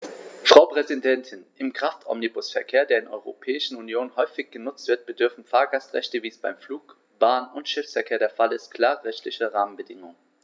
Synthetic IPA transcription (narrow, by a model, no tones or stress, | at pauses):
fʁ̥aʊpʁ̥ɛzidɛntʰɪnʔɪmkʁ̥aftʰʔɔ̰mnibʊsfɛɐkʰeːɐdeːɐdɪnʔɔ̰ʏʁopʰɛːɪʃn̩unjoːnhɔʏfɪçɡ̥ənʊt͡stv̥ɪɐt̚b̥ədʏɐfn̩faːɐɡastʁ̥ɛ̰çtəviːəsb̥aɪmfluːk | b̥aːnʊntʃɪfsfɛɐkʰeːɐdeːɐfalɪstkʰl̥aːʁəʁɛçtʰlɪçəʁaːmənbədɪŋʊŋə